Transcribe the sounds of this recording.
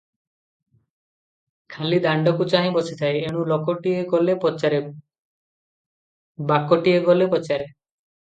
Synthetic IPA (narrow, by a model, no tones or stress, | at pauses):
kʰalid̪aɳɖɔkut͡ʃaɦĩbɔsʰit̪ʰaejeɽ̃ũlɔkoʈieɡɔlepɔt͡ʃaɾe | bakoʈieɡɔlepɔt͡ʃaɾe